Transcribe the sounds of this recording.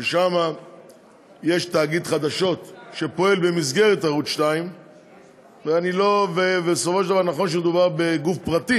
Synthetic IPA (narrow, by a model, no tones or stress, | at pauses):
veʃama | je̞ʃt̪aːɡid̪χad̪aʃo̞t̪ʃepo̞e̞lbe̞mizɡe̞ʁet̪aʁut̪ʃtaim | veanilo̞vevesofo̞ʃeld̪avaʁnaχo̞nʃ̬emed̪ubaʁbe̞ɡufpʁat̪i